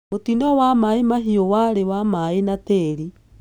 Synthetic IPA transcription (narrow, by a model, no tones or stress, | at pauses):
motinɔwamaimaɦiowaɾewamainateːɾi